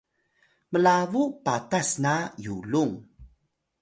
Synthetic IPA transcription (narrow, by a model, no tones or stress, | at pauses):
məlavupatasnajuluŋ